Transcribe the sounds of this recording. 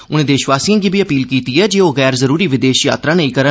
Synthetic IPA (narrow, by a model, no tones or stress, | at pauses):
ʊñẽːd̪eːʃʋaːsiːãːɡiːbiːəpiːlkiːt̪iːɛːd͡ʒeːoːɣɛːɾzəɾuːɾiːʋɪd̪eːʃja̰ːt̪ɾaːnəĩːkəɾə